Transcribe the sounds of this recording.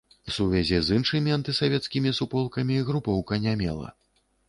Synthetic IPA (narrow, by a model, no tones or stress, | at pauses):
wsuvʲazʲɛzɨnʂɨmʲiant̪ɨsavʲɛt̪skʲimʲisupɔlˠkɐmʲiːɣɾupɔwkɐnʲamʲɛ̰lˠɐ̰